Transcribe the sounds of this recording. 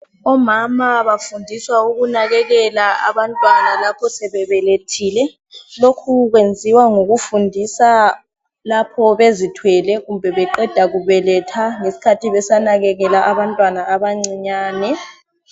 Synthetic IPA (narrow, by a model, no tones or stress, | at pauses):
ɔmamaβafundʱiswauɣunaɣɛɣɛlaa̰βantʼwanalapʰɔsɛβɛβɛletʰiːlɛ | lokʰuɣ̬wend͡zʱiwaŋoɣufundʱisa | lapʰɔβezitʰwɛlɛɣumbʱɛβɛǃɛd̥ʱaɣuβɛlɛtʰaŋesi̥kʰatʰiβɛsanaɣɛɣɛlaʔaβantʼwanaːβaŋ͡ǀiɲaːnɛ